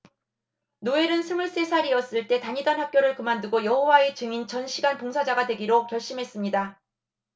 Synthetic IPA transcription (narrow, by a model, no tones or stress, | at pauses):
noe̞ɾɯnsʰɯmuɭs͈e̞sʰaɾiʌs͈ɯɭt͈e̞taɲidanhak̚k͈joɾɯɭkɯmandɯɡojʌɦowae̞t͡ɕɯŋint͡ɕʌnɕʰiɡanpoŋsʰad͡ʑaɡadwe̞ɡiɾokjʌɭɕ͈imɦe̞s͈ɯmɲida